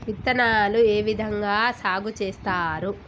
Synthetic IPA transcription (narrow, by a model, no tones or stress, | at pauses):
ʋit̪ːɐnaːlueːʋid̪ʱɐŋɡaːsaːɡʱut͡ʃeːst̪aːɾu